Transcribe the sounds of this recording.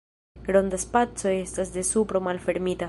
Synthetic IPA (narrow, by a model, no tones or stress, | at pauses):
ɡɾo̞nd̪aspat͡so̞e̞stasde̞supɾo̞malfe̞ɾmita